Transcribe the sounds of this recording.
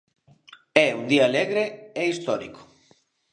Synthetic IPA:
ɛund̪iaːleɣɾeeist̪ɔɾḭko̥

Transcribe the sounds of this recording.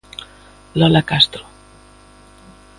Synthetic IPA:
lɔlakast̪ɾo

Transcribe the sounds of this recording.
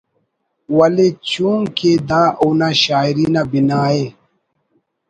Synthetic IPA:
wɐlet͡ɕuːŋked̪aːʔunaɕaːiɾiːnabinaːe

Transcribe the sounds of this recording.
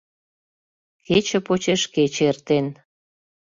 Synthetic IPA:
ket͡ɕə̆pot͡ɕeʃket͡ɕert̪en

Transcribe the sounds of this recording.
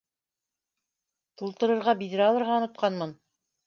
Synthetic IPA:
t̪ulˠt̪ɤ̆ɾɤ̆ɾʁɑbiðɘɾɑlˠɤ̆ɾʁɑŏnŏt̪̚qʰɑnmɤn

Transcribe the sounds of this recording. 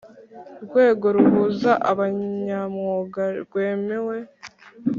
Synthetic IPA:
ɾɡwe̞ːɡo̞ɾuhuzaʔaβaɲamŋoɡaɾɡwe̞ːme̞we̞

